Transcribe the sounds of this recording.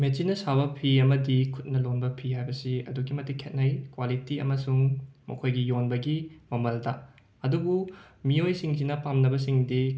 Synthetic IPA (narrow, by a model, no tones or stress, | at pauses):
met͡ʃinɐsaβɐpʰiɐmɐdikʰut̚nɐlonbɐpʰihajbɐsiɐ̰duɡimɐtikʰːet̚nɐjkwalitiɐ̰mɐsuŋmɐ̰kʰojɡijonbɐɡimɐmɐldɐ | ɐduɡu | miojsiŋsinɐpamnɐbɐsiŋdi